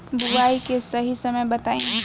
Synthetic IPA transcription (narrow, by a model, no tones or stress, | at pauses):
bʊʋaːikesɐɦisɐməjbɐt̪aːẽ